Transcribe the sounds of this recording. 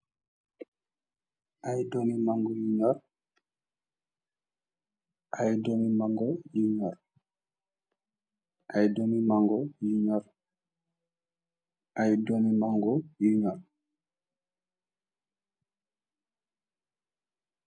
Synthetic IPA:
ʔajdomimaŋɡɔjuɲɔɾ | ʔajdomimaŋɡɔjuɲɔɾ | ʔajdomimaŋɡɔjiɲɔɾ | ajdomimaŋɡɔjuɲɔɾ

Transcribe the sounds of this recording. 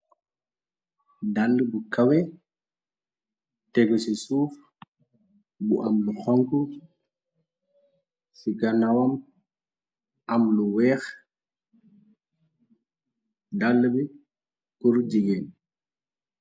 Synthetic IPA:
dalːbukawɛ | tɛɡɔsisuːf | bṵʔamluxɔŋku | siɡanawam | amluwɛːx | dalːbi | kuɾd͡ʒiɡen

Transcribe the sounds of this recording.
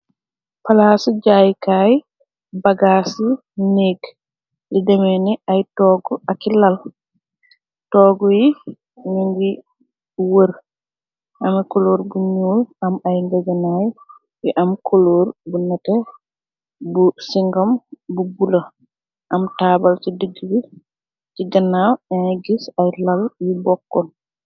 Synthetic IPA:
palasid͡ʒajkaj | baɡaːsi | neɡ | lidɛmɛnɛʔajtɔɡɔʔakilːal | tɔːɡɔji | ɲuŋɡi | wəɾ | ʔamɛkɔloːɾbuɲoːjʔamajŋɡɛɡanaj | wɛʔamkʰɔloɾbunatɛ | busiŋɡambuɡula | ʔamtabalsidiɡiɾi | tiɡanawɛnajɡisajlaljibɔkːɔn

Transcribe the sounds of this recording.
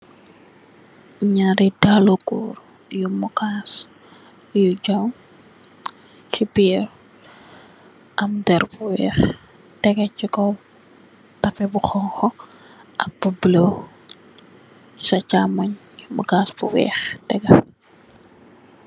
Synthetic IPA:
ɲaɾidalokuːɾ | jumukaːs | jud͡ʒɐw | t͡ʃibiːr | ʔɐmdɛɾbuwɛ̰ːx | tɛɡɐt͡ʃikɔ | tɐfɛbuxɔŋxɔ | ɐk̚bublo | t͡ʃi̥sɐt͡ʃamɐɲ | jumukaːsbuwɛ̰ːxtɛɡɐ

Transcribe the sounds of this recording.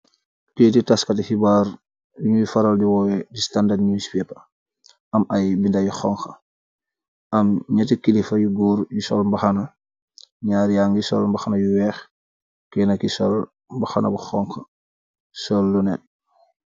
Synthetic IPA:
keːtitaskɐtihibaːɾ | juɲujfɐɾaldiwɔːwɛdistandadɲuspɛpɐ | ɐmɐjbindajuxɔːŋxɐ | ɐmɲɐtikilifɐjuɡuːɾjusɔ̰lmbɐxɐnɐ | ɲaːɾjaŋɡjisɔ̰lmbaxanɐjuwɛːx | kɛnɐkisɔl | mbaxɐnʔɐ̰buxɔŋxɐ | sɔlːunɛt̚

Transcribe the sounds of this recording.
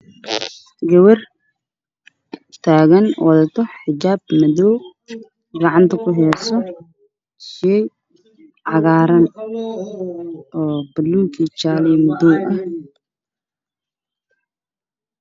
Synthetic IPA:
ɡɐwɐr | t̪ʰaːɣɐnwʔɐðɐt̪ʰɔħɪd͡ʒaːbmɐðɔw | ɡɐʕɑnt̪ʰɐkʰʊɦɛːsɔ | ʃɛj | ʕɑɣaːɾɐn | ʔɔːb̥ɐlːuŋkʰit͡ʃaːlɛjmɐðɔwʔɐh

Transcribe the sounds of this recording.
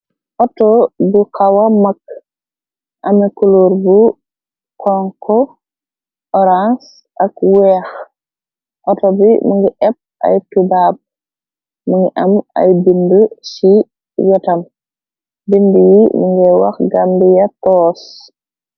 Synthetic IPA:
ʔɔtɔbukawamak | ʔamɛkuluɾbu | kʰɔŋkʰɔ | ʔɔɾans | ʔakwɛx | ʔɔtɔbimuŋɡiʔɛp̚a̰jtubab̚ | muŋɡiʔama̰jbinbəsi | wɛtam | binbəjimuŋɡɛwa̰xɡambijatɔːs

